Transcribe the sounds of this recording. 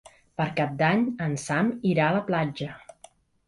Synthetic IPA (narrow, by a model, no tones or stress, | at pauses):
pəɾkap̚d̪aɲənsamiɾaələplad͡ʒə